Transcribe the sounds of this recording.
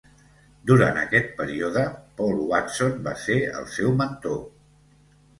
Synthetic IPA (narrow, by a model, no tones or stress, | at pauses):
d̪uɾa̰nt̪əkɛt̪̚pəɾioðəpɔlˠwat̪sonbaseə̰lˠsɛwmənt̪o